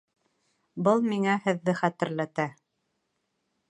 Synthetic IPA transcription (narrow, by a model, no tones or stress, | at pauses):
bɤlˠmiŋæhɘ̆ðːɘχæt̪ɘ̆ɾlæt̪æ